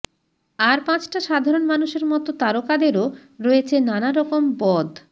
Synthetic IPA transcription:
aɾpãt͡ɕʈaʃad̪ʱaɾonmanuʃeɾmɔt̪ot̪aɾokad̪eɾoɾɔet͡ɕʰenanaɾɔkombɔd̪ʱ

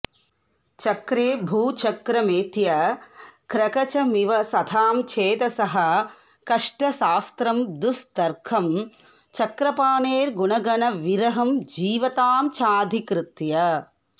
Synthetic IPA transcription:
t͡ʃɐkɾeːbʱuːt͡ʃɐkɾɐmeːt̪jɐ | kɾɐkɐt͡ʃɐmiʋɐsɐt̪ʰaːmt͡ʃʰeːt̪ɐsɐɦɐ̆ | kɐʂʈɐʃaːst̪ɾɐmd̪ust̪ɐɾkʰɐm | t͡ʃɐkɾɐpaːneːɾɡuɳɐɡɐnɐʋiɾɐɦɐmd͡ʒiːʋɐt̪aːmt͡ʃʰaːd̪ʱikɾɨt̪jɐ

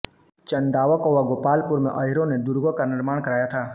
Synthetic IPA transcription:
t͡ʃənd̪aːʋakoʋaɡoːpaːlpʊɾmḛ̃ʔəɦɪɾõned̪ʊɾɡokanɪɾmaːɽ̃kəɾaːjat̪ʰaː

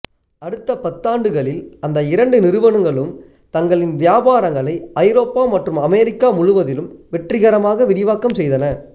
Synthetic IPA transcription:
ɐɽɯt̪ːɐpɐt̪ːaːɳɖɯɣɐɭɪlɐnd̪ɐɪɾɐɳɖɯnɪɾɯʋɐɳɯŋɡɐɭɯm | t̪ɐŋɡɐɭɪnʋɪjaːbaːɾɐŋɡɐɭɐɪʔɐɪɾoːpːaːmɐʈrɯmɐmɛːɾɪkːaːmʊɻʊʋɐðɪlɯmʋɛʈrɪɣɐɾɐmaːɣɐʋɪɾɪʋaːkːɐmsɛjðɐnɐ

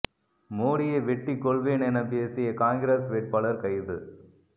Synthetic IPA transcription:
moːɽɪjɐʋɛʈːikːɔɭʋeːnɛnɐpeːsɪjɐkaːŋɡɪɾesʋeːʈ̚pɐlɐɾkɐɪðɯ

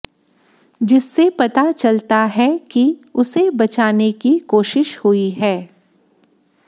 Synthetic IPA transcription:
d͡ʒɪsːepɐt̪at͡ʃɐlt̪aɦɛkiʊsebɐt͡ʃaːnekikoːʃɪʃhʊiɦɛː

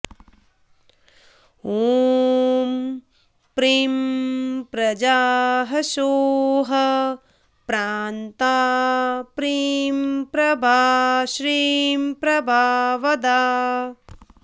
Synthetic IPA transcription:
oː | m | pɾiːmpɾɐd͡ʒaːɦɐʃoːɦɐ | pɾaːnt̪aːpɾiːmpɾɐbʱaːʃɾiːmpɾɐbʱaːʋɐd̪aː

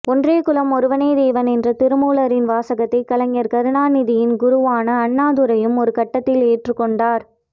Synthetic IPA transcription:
ɔndreːkʊlɐmɔɾɯʋɐneːd̪eːʋɐnɛndrɐt̪ɪɾɯmuːlɐɾɪnʋaːsɐɣɐt̪ːɐɪkɐlɐŋjɐɾkɐɾɯɳaːnɪðɪjɪnɡʊɾʊʋaːnɐːɳːaːðɯɾɐjɯmɔɾɯkɐʈːɐt̪ːɪleːʈrɯkːɔɳɖaːɾ

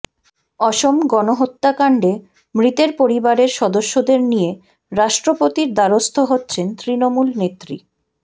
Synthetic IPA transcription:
ɔʃomɡɔnoɦot̪ːakaɳɖe | mɾit̪eɾpoɾibaɾeɾʃɔd̪oʃːod̪eɾnije | ɾaʃʈɾopot̪iɾd̪aɾost̪ʰoɦotːɕʰent̪ɾinomulnet̪ːɾi

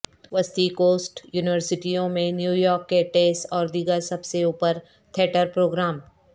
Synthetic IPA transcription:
ʋəst̪ikoːsʈjuːnɪʋəɾsɪʈijõmẽnjuːjɔːɾkːeʈeːsɔːɾd̪iɡəɾsɐbseuːpəɾ | t̪ʰeːʈəɾpɾoːɡɾaːm

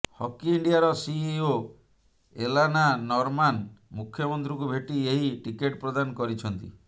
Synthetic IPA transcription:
hɔkiːɳɖijaɾɔsio | elananɔɾmanmukʰːjɔmɔnt̪ɾik̬ubʱeʈieɦiʈikeʈpɾɔd̪anɔkɔɾit͡ʃʰɔnt̪ḭ

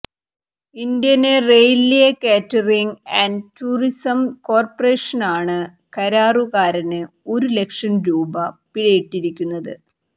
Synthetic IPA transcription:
ind̪jɐnerejlijekeːtːɐriŋɡɐntuːrisɐmko̞ːrpɐreːʂɐnaːɳɨ | kɐɾaːruɣaːɾɐnɨ | o̞ɾule̞kʂɐmɾuːbɐpiɽɐjiʈːiɾikʲːunːɐðɨ

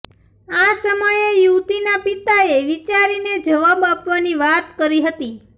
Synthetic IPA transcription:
asəməjejut̪inapit̪aeʋit͡ʃaɾined͡ʒəʋabapʋaniʋat̪kəɾiɦət̪i

